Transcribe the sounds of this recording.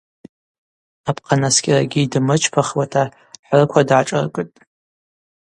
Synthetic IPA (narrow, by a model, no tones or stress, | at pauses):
apʰqʰanaskʲʼɪraɡʲidmɨt͡ʃʰpʰaχwatʰa | ħʷrɨkʷʰadʕaʈ͡ʂʼɨ̰rkʼɨtʼ